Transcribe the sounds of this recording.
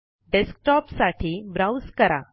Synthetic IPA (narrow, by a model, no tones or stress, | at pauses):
ɖesk̚ʈɔpsaʈʰiːbɾawskəɾa̰